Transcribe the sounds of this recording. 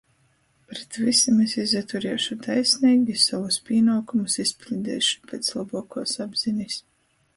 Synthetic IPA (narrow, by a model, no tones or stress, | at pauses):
pɾɛt̪visamesizat̪uɾiɛʃut̪ajsʲniːɡʲisavuspʲiɛnuːkumusispʲlʲid̪ɛ̰ːʃu̥pʲeːt̪slˠabuɔkuːsabz̥inʲis